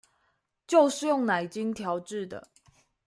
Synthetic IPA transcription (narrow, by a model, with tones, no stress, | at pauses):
t͡ɕjo˥˧ʊʂɻ̩˥˧jʊ˥˩ŋna˨˩ɪt͡ɕi˦˥nt̪ʰjɑ˧˥ʊʈ͡ʂɻ̩˥˩d̪ə̰˩